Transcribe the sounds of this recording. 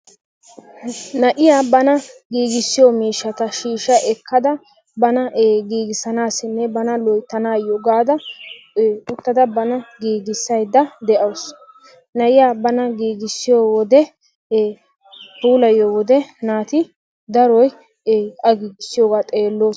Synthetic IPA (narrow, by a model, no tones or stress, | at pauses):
nɐʔɪjaːbɐnɐɡiːɡɪsːɪjoːmiːʃːɐt̪ɐʃiːʃːɐʔɛkʰːɐd̪ɐ | bɐnɐʔɡiːɡɪsɐnaːsɪmːebɐnɐlɔjt̪ːɐnaːjɔɡaːd̪ɐ | ʊt̪ːɐd̪ɐbɐnɐɡiːɡɪsːɐjd̪ɐd̪ɛʔɐws | nɐʔɪjaːbɐnɐɡiːɡɪsːɪjoːwɔd̪ɛː | puːlɐjowɔd̪ɛnaːt̪ɪ | d̪ɐɾɔjː | ɐɡiːɡɪsːɪjoːɡaːt̪ʼeːlːoːs